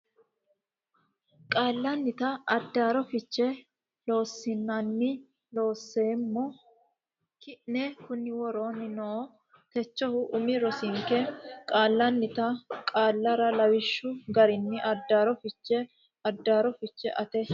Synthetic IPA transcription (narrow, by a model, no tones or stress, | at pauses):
kʼaːlːɐnːɪt̪ɐːd̪ːaːɾɔfɪt͡ʃːɛ | lo̞ːsːɪnːɐnːɪ | lo̞ːsːeːmːɔ | kɪʔnɛkʊnːɪwɔɾoːnɪnɔʔ | t̪ɛt͡ʃːɔhʊʔʊmɪɾɔsɪŋkɛkʼaːlːɐnːɪt̪ɐkʼaːlːɐɾɐlɐwɪʃːʊɡɐɾɪnːɪʔɐd̪ːaːɾɔfɪt͡ʃːɛ | ɐd̪ːaːɾɔfɪt͡ʃːɛ̰ʔɐt̪ɛ